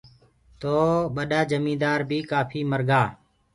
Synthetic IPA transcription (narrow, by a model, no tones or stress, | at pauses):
t̪oːɓəɗaːd͡ʒəmĩːd̪aːɾbʱiːkaːpʰiːməɾɡaː